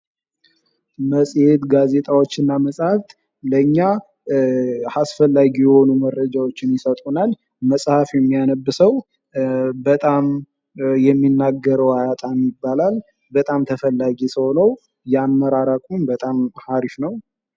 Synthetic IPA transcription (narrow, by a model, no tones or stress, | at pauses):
məsʼhet̪ɡaze̞t̪ʼawo̞t͡ʃːɪnːaməsʼhaft̪ | ləɲːa | hasfəlːaɡijɛho̞numərːəd͡ʒawo̞t͡ʃːɪnjɪsət̪ʼunal | məsʼhafjɛmːijanəbːɨsəw | bət̪ʼam | jɛmːinːaɡːəɾəwajat̪ʼamjɪbːalal | bət̪ʼamt̪ʰəfəlːaɡisəwnəw | jamːəɾaɾakʼunbət̪ʼamhaɾifnəw